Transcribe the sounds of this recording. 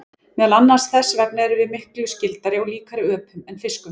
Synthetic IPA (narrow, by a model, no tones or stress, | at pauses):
mɛːðalanːḁsθɛsvɛk̚nɛɾʏvɪðmɪhklʏjʏscɪlt̪aɾɪɔɣliːkaɾɪœːpʏmɛnfɪskʏm